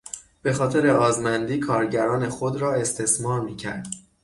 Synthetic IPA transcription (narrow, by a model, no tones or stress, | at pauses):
b̥e̞xɒːt̪ʰe̞ɾe̞ɒːzmænd̪iːkʰɒːɾɟæɾɒːne̞xod̪ɾɒːe̞st̪ʰe̞smɒːɾmiːcʰæ̰ɾd̪̥